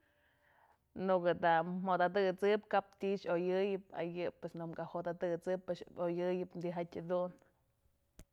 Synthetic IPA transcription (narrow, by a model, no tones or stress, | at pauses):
nukɨd̪am̥od̪ad̪ɨt͡sɨpkap̚t̪ʲiʔʃojɨjɨp̚a̰jɨpwesnumkahod̪ad̪ɨt͡sɨpːɨʃojɨjɨp̪d̪iɦatʲad̪un